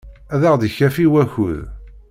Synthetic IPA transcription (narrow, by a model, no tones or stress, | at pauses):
æðæʁd̪əçæfiwæçuð